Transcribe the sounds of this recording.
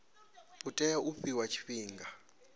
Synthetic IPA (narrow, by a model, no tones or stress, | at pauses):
utʼɛjaʔuɸiwat͡ʃʰi̥ɸiːŋɡa